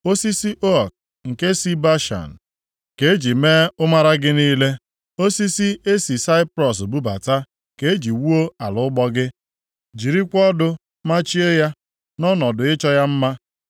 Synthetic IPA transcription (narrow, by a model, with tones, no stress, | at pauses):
o˦si˦si˦ʔo˦˨k̚ | ŋ̩˨ke˦si˦ba˦ʃa̰˨n̩˨ | ke˦e˦d͡ʒi˨me˦ʊ˦ma˦ɾa˦ɡɪ˦niː˦le˦ | o˦si˦si˦e˦si˨sa˦ɪ˦pɾɔ˨s̬o˨bu˦ba̰˨ta˦ | ke˦e˦d͡ʒi˨wu˦o˦a˨lʊ˨˦ɡ͡bɔ˦ɡɪ˦ | d͡ʒi˨ɾi˦kʷɔ˦dʊ˦ | ma˦t͡ʃi˦e˦ja˦ | nɔ˦nɔ˨dʊ˨ɪ˦t͡ʃɔ˦ja˦m̩˦ma˦